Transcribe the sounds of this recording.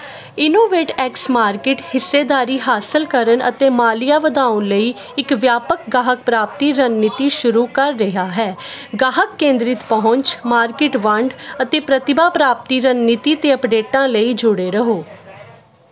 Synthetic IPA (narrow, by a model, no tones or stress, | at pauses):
ɪnoːʋeːʈɛːksmaːɾkɪʈhɪsːeːd̪aːɾiːɦaːsəlkəɾənʔə̰t̪eːmaːlɪjaːʋəd̪aːʊ̃nləiː | ɪkʋjaːpək̚ɡaːɦək̚pɾaːp̚t̪iːɾənniːt̪iːʃʊɾuːkəɾːɪɦaːɦɛːɡaːɦəkːẽːnd̪ɾɪt̪pəɦʊ̃ɲt͡ʃmaːɾkɪʈʋəɳɖət̪eːpɾət̪ɪbaːpɾaːp̚t̪iːɾənnit̪iːt̪eːəpɖeːʈãːləiːd͡ʒʊɽeːɾəɦoː